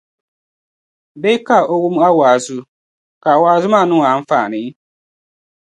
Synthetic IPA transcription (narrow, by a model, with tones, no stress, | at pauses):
be˦ka˦˨ʔo˦wu˦m˦a˦waː˨zu˦ | ka˨waː˨zʊ˦ma˦˨nʊ̃˦˨a˨˦n̩˦faː˨nɪ˨˦